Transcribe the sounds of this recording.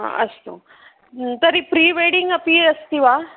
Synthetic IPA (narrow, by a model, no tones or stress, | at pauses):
a̰ɐ̰st̪ṵ | t̪ɐɾipɾiːʋeːɽiŋɡɐpiɐst̪iʋaː